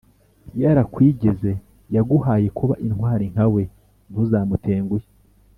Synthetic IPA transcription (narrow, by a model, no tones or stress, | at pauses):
jaɾakwiːɟe̞ze̞ | jaɡuhaːje̞kʰuβa̰ʔinhwaːɾiŋhawe̞ | n̥huzaːmute̞ːŋɡuje